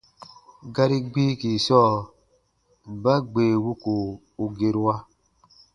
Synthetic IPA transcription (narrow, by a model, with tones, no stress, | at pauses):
ɡa˦ɾi˦ɡ͡bi˦ki˨sɔː˦˨ | ba˦ɡ͡beː˨wu˦ku˨ | u˨ɡe˨ɾwa˦